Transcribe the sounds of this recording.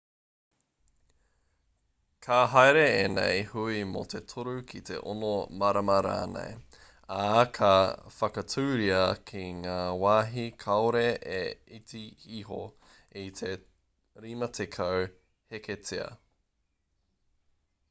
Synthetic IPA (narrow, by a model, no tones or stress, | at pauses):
kʰaɦajɾeenɛ̰jhuimo̰t̪ʰe̞t̪ʰoɾukʰit̪ʰe̞̰ʔo̰nomɐɾɐmɐɾa̰ːnḛj | akʰɐfɐkɐtʰʉːɾiɐkʰiŋaːwaːɦikʰɐoɾeeit͡siiɦo | it̪ʰe | ɾimɐt̪ʰekʰɐw | heketʰeɐ̰